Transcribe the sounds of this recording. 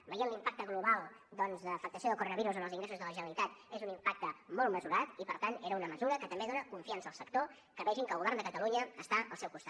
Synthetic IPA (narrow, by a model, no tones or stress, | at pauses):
bəjienlimpak̚t̪əɣluβalˠd̪ɔnzðəfək̚t̪əsioðəlˠkuɾonəβiɾuzənəlˠziŋɡɾesuzðələʒənəlit̪at̪ezunimpak̚t̪əmɔlˠt̪məzuɾat̪ipəɾt̪aneɾəunəməzuɾəkət̪əmbeðonəkuɱfiansəːlˠsək̚t̪o | kəβɛʒiŋkəlˠɣuβɛrnd̪əkət̪əluɲəːst̪aʔəlˠsɛwkust̪a